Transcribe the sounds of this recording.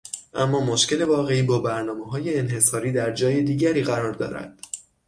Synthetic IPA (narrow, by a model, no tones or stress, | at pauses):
ʔæ̰mːɒːmoʃce̞le̞vɒːɣe̞iːbɒːbæɾnɒːmeɦɒːje̞ːnɦe̞sɒːɾiːd̪æɾd͡ʒɒːje̞d̪iːɟæɾiːɣæɾɒːɾd̪ɒ̰ːɾæ̰d̪̥